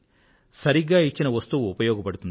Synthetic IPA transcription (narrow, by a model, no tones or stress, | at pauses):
sɐɾiɡːaːit͡ʃːinɐʋɐst̪uupɐjɔːɡɐpɐɽut̪un